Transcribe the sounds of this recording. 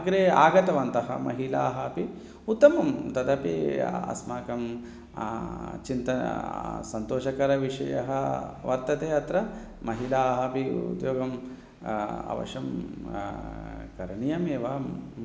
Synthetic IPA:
ɡɐɾeːa̰ːɡɐt̪ɐʋɐnt̪ɐɦɐ̰mɐ̰ɦilaːɦɐpi | ut̪ːɐmɐmt̪ɐd̪ɐpḭɐ̰smaːkɐm | t͡ʃint̪ɐnɐ̰sɐnt̪oːʃɐkɐɾɐʋiʂɐ̰jɐ̰ɦɐʋɐɾt̪ɐt̪eːɐt̪ɾɐ | mɐɦilaːɦɐpiṵd̪joːɡɐm | ɐ̰ʋɐ̰ʃɐm | kɐɾɐɳijɐmeːʋa

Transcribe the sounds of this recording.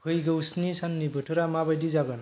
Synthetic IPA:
pʰɯjɡʌwsnisanːibɯʈʰuɾamabajdizaɡʌn

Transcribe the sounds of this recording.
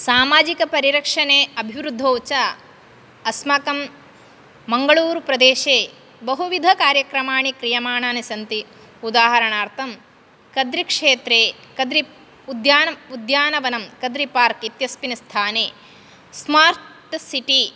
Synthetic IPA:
saːmaːd͡ʒikɐpɐɾiɾɐkʂɐneːɐbʱiʋɾud̪ʱːoːt͡ʃa | ɐsmɐkɐmː | ɐŋɡɐɭuːɾpɾɐd̪eːʃeː | bɐɦuʋid̪ʱɐkaːɾjɐkɾɐmaːɳikɾijɐmaːɳaːnisɐnt̪i | ud̪aːɦɐɾɐɳaːɾt̪ʰɐm | kɐd̪ɾikʂeːt̪ɾeːkɐd̪ɾi | ud̪jaːnɐud̪jaːnɐʋɐnɐmkɐd̪ɾipaːɾkit̪jɐspinɐst̪ʰaːneː | smaːɾt̪siʈi

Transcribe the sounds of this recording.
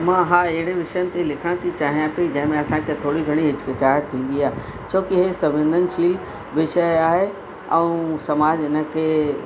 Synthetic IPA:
mãɦaɪɦɪɽeʋɪʃəjənɪ̆t̪elɪkʰəɽ̃t̪ʰit͡ɕaːɦijãped͡ʑɐ̃ɦɪ̃mẽɐsãkʰet̪ʰoːɽiɡʱɐɽ̃iɦɪd͡ʑkət͡ɕaːɾɾt̪ʰĩːn̆d̪iaːɦe | t͡ɕʰoːkiɦesɐbɪ̃nd̪ʱənɪ̆ʃiːl | ʋɪʃəjaːɦe | ɛ̃ũsɐmaːd͡ʑɪnə̆kʰeː

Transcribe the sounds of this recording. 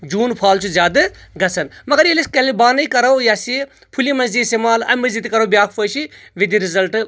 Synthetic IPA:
d͡ʒuːnpʰaːlt͡ʃʰuzʲaːd̪ɨɡɐt͡sʰɐnmɐɡɐɾjeliskɐlibaːnɐikɐɾɐwjaːsi | pʰulimɐzd̪iisemaːlɐ̰mɐzd̪it̪kɐɾɐwbjaːkʰpʰoʃiʋid̪iɾizɐlʈ

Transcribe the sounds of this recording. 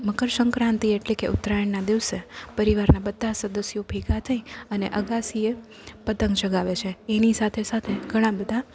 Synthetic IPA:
məkəɾsəŋkɾãnt̪ieʈlekḛʔʊ̰t̪ːɾajəɳːad̪iʋsepəɾiʋaɾnabəd̪ʱːasəd̪əsjopʰikat̪ʰəiəneʔəɡasie | pət̪əŋɡd͡ʒəɡaʋet͡ʃʰeenisat̪ʰesat̪ʰeɡʱəɽ̃ãbəd̪ʱa

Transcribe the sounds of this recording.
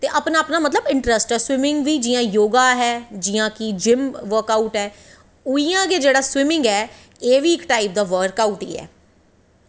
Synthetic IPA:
t̪eːʔəpnaːəpnaːmət̪ləbɪ̃ɳʈɾəsʈɛːswɪmɪ̃ŋɡʋiːd͡ʒɪjãːjoːɡaːɦɛːd͡ʒɪjãːkɪd͡ʒɪmʋəɾkaːuʈɦɛː | ʊiːjãːkeːd͡ʒeːɽaːswɪmɪ̃ŋɡɛː | eːʋiːɪkʈaːɪp̚d̪aːʋəɾkaːuʈ̪ḭːɛ̰ː

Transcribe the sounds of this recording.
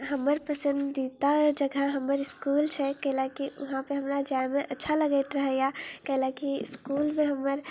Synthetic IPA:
ɦəmːəɾpəsə̃nd̪it̪ad͡ʒəɡʱəɦəmːəɾiskult͡ʃʰɛkəɦlakiʔuɦãpəɾɦəmɾad͡ʒameʔətːʃʰaləɡəɪt̪ɾəɦəjakəlakḭskulmeɦəmːəɾ

